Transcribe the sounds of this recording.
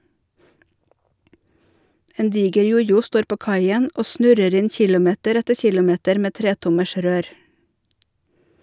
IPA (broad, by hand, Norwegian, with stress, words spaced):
ˈeːn ˈdiːɡəɾ ˈjʊjʊ ˈstoːɾ ˈpoː ˈkɑɪən ˈʔoː ˈsnʉɾəɾ ˈɪn ˈçɪlʊˌmeːtəɾ ˈɛtə ˈçɪlʊˌmeːtəɾ ˈmeː ˈtɾeːtʊməʃ ˈɾøːɾ